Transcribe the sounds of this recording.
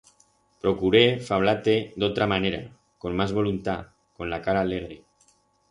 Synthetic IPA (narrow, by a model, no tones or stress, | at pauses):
pɾokuɾefaβ̞lat̪ed̪ot̪ɾamaneɾa̰ | komːazβolunt̪a | konlakaɾaːleɣ̞ɾe